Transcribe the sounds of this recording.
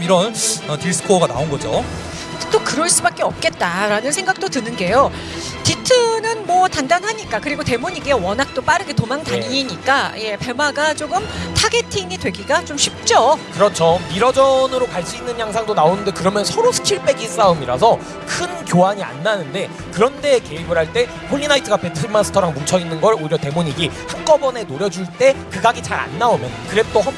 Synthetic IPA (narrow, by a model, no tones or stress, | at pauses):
miɾʌnʌtiɭsʰɯ̥kʰoɡana̰onɡʌd͡ʑo̰ | t͈okɯɾʌɭs͈ubak͈e̞ʌp̚k͈e̞t̚t͈aɾanɯns̬ʰe̞ŋɡak̚t͈otɯnɯnɡe̞jo | titʰɯnɯnmwʌtandanɦaɲik͈akɯɾiɡote̞muɲiɡewʌnɦak̚t͈op͈aɾɯɡetomaŋtaɲiɲik͈aje̞pe̞maɡat͡ɕoɡɯmtʰaɡe̞tʰiŋidwe̞ɡiɡat͡ɕomɕʰip̚t͡ɕ͈ʌkɯɾʌt͡ɕʰomiɾʌd͡ʑʌnɯɾokaɭs͈iinːɯnjaŋs̬ʰaŋdonaonɯnde̞kɯɾʌmjʌnsʰʌɾosʰɯ̥kʰiɭp͈e̞ɡis͈aɯmiɾa̰s̬ʰʌ | kʰɯnkjoɦaɲia̰nːanɯnde̞ | kɯɾʌnde̞ke̞ibɯɾhaɭt͈e̞ | ɸʰoʎːinaitʰɯɡape̞tʰɯmasʰɯ̥tʰʌɾaŋmut͡ɕʰʌinːɯnɡʌɾoiɾjʌte̞moɲiɡihaŋk͈ʌbʌne̞noɾjʌd͡ʑuɭt͈e̞kɯɡaɡit͡ɕaɾa̰nːaomjʌnkɯɾet͈oɦa